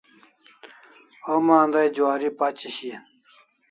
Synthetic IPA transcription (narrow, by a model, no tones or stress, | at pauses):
omaːnd̪ajd͡ʑwaːɾipat͡ɕiɕin